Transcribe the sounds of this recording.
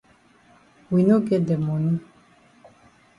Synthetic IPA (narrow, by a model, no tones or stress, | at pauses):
winuɡɛd̪ɛmɔnu